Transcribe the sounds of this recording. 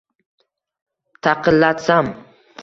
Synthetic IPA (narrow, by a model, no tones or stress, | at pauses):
t̪ʰɑqʰɨlːat̪sam